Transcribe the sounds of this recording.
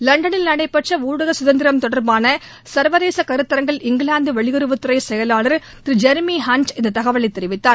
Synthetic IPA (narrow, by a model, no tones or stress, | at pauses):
lɐɳɖɐnɪlnɐɽɐɪpːɐʈʂɐuːɽɐɣɐsʊðɐnd̪ɪɾɐmt̪ɔɽɐɾbaːnɐ | sɐɾʋɐðeːsɐkɐɾɯt̪ːɐɾɐŋɡɐɭɪŋɡɭaːnd̪ɯʋɐɭɪɣɔɾɯʋɐt̪ːɯɾɐɪsɛjɐlaːɭɐɾ | t̪ɾid͡ʒɛɾmiɦaːnt͡ʃɪnd̪ɐt̪ɐɣɐʋɐɭɐt̪ːɛɾɪʋɪt̪ːaːɾ